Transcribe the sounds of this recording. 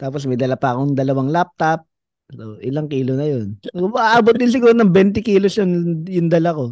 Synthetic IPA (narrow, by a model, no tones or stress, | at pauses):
t̪aːposmɐjd̪ɐlapɐɐkoŋd̪ɐlɐwaŋlap̚t̪ɐp̚ | oʔɪlaŋkiːlonɐjonmɐʔaʔaːbot̪̚d̪ɪnsɪɡuːɾonɐŋbɛnt̪ɛkiːlosjʊnjʊŋd̪ɐlako̞